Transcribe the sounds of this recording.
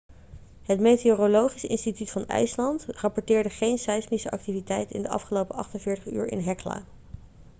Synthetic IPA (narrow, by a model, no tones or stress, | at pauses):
ɦətmejteoːrolowχisɪ̰nstitytfɑnɛ̰ɥslɑntrɑpɔɹtɪːɹdəχejnsɛjsmisəʔɑk̚tivitɛjtɪ̰ndəʔɑ̰fχəlowpəʔɑ̰χtənvɪːɹtəχy̰ːɹɪ̰nɦɛkla̰ː